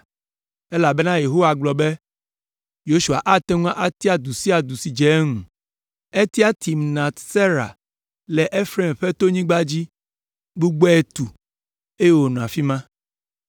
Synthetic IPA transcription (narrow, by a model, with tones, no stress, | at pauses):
e˦la˨bɛ˦nã˦je˨ɦo˦wa˨ɡ͡blɔ˨be˦ | jo˦ʃu˨a̰˨ʔa˦t̪ɛ˦ŋũ˦a˦ʔa˦t̪i˦a˨d̪u˨si˦a˨d̪u˨si˨d͡ʒɛ˨˦ŋũ˨ | e˦t̪i˦a˦t̪i˨mnã˨t̪se˦ɾa̰˨ | lɛ˨ʔe˦fɾe˦˨mɸɛ˦t̪o˦ɲĩ˦ɡ͡ba˦d͡ʑi˦ | bu˦ɡ͡be˦e˦t̪u˨ | e˦je˨wo˨nɔ̃˨a˨fi˦mã˦